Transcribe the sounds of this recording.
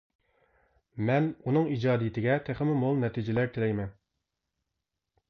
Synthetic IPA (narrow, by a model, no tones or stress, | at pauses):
mɛnunɨŋid͡ʒɑːd̪ijɪt̪ʰɪɡʲɛt̪ʰæχɪmɪmolˠnɛt̪ʰid͡ʒɪlæɾt̪ʰɪlɛjmɛn